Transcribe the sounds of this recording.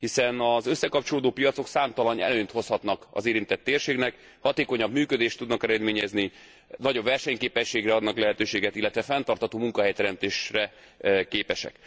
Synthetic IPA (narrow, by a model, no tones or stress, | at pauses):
hisɛnɒzø̞sːɛkɒp̚t͡ʃoloːd̪oːpijɒt̪so̞ksaːmt̪ɒlɒnɛ̰løːɲt̪ho̞shɒt̪nɒkɒ̰zeːɾint̪ɛt̪ːeːrʃeːknɛk | hɒt̪eːko̞ɲɒbmyːkød̪eːʃt̪ːud̪nɒkɛɾɛd̪meːɲɛzni | nɒɟo̞bvɛrʃɛɲkeːpɛʃːeːɡrɛɒd̪nɒklɛɦɛt̪øːʃeːɡɛt̪ilːɛt̪ʋɛfɛnt̪ɒrt̪hɒt̪oːmuŋkɒɦɛjt̪ɛɾɛmt̪eːʃrɛ | keːpɛʃɛ̰k